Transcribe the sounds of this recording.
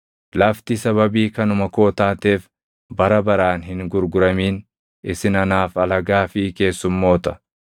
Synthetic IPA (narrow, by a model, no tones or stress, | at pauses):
lɐft̪ɪsɐβɐbiːkɐnʊmɐko̞ːt̪aːt̪e̞ːf | bɐɾɐbɐɾaːnhɪŋɡʊɾɡʊɾɐmiːn | ɪsɪnɐnaːfɐlɐɡaːfɪke̞ːsːʊmːo̞ːt̪ɐ̥